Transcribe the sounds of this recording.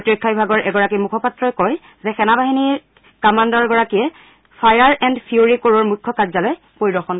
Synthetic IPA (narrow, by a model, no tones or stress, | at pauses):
potɹɔkʰːabibʱaɡɔɹʔɛɡɔɹakimukʰɔpatɹɔjkɔj | zɛxɛnabaɦini | kamandɔɹɡɔɹakijɛ | pʰajaɹɛndpʰiuɹikoɹɔɹmukʰːɔkazalɔj | poɹidɔxɔn